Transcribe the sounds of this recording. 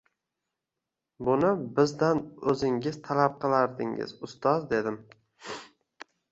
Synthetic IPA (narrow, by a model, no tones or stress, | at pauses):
bʊnɪbɪzd̪anɵzɪŋʲɪz̥t̪ʰalap̚qʰɨlˠaɾd̪ɪ̰ŋɪ̰zʊst̪ɒzd̪e̞d̪ɪm